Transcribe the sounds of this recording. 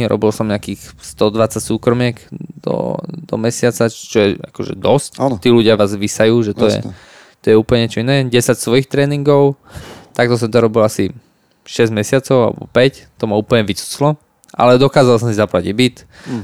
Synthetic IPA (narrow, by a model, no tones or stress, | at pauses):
ɾɔ̰bilsɔmɲakiːxst̪ɔd̪ʋat͡sacsuːkɾɔmɪɛkd̪̥ɔ̰d̪ɔ̰mɛsɪat͡sat͡ʃɔjɛa̰kɔʒɛ̰d̪ɔscːnt̪iːluɟɪaʋaːzʋisajuːʒɛt̪ɔjɛ̰ | t̪ɔjɛuːpl̩ɲɛɲɛt͡ʃɔinɛːɟɛsacsʋɔjixt̪ɾɛːniŋɡɔʊ | t̪ak̚t̪ɔs̬ɔmt̪ɔɾɔbilasi | ʃɛzɟmɛsɪat͡sɔʊa̰lɛ̰bɔ̰pɛct̪ɔmauːpl̩ɲɛʋit͡su̥t͡slɔ | ʔa̰lɛd̪ɔkaːzalsɔmsizaplaɟibit̪